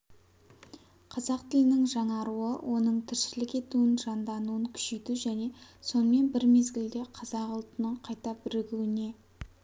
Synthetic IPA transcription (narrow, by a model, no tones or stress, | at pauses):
qʰɑzɑqt̪ʰɪlɪnɪŋʒɑɴɑɾuə̰wʔo̞nəɴt̪ʰɪɾʃɪlɪkʲe̞t̪uɪnʒɑnd̪ɑnuəŋkʲʰʏ̥ʃe̞jt̪uʒæne̞so̞nəme̞nbɪɾme̞zɡʲɪld̪e̞qʰɑzɑqʊlˠt̪ənəɴqʰɑjt̪ɑbɪɾɪɡʲuɪne̞